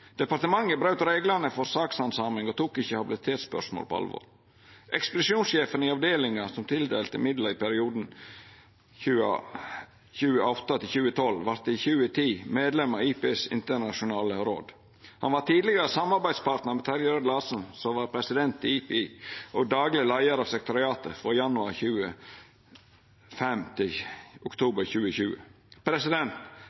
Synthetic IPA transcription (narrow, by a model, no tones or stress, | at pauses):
d̪̥ɛpɑɾt̪əmɑŋːəbɾɑʉt̪ɾeːɡlənəfɔɾsɑːksɑnsɑːmɪŋɔt̪ʰuːkɪçəhɑbɪlɪt̪ʰeːt̪spœ̰ʂmo̰ːlpʰɔ̰ɑ̰lʋɔ̰ːɾ | ʔɛkspəd̪ɪsuːnsʃeːfənɪɑʋd̪eːlɪŋɑsɔmt̪ʰɪld̪eːlt̪əɪmɪd̪ləɾɪpʰæɾɪuːd̪n̩ | çʉːə̰ | çʉːəʔɔt̪ːɑt̪ɪlçʉːət̪ʰɔlːʋɑɾt̪ɪçʉːət̪ʰiːmeːd̪lɛmɑiːpesɪ̰nt̪ənɑʃʊnɑːləɾo̰ːd̪ | hɑnʋɑʈ̪iːd̪lɪɡəɾəsɑmɑɾbæɪd̪spɑɾʈ̪nəɾmɛt̪ʰɑɾjəɾd̪lɑːsn̩sɔʋɑːɾpʰɾɛsɪd̪ɛnt̪ɪiːpʰeiːʔɔɡd̪ɑːɡlɪəlæɪəɾɑːʋsɛk̚t̪ʊɾɪɑːt̪əfɾɔjɑnʉɑɾçʉːə | fɛmt̪ʰɪlʔʊkt̪ʰuːbəɾçʉːəçʉːə̰ | pʰɾɛsɪd̪ɛnt̪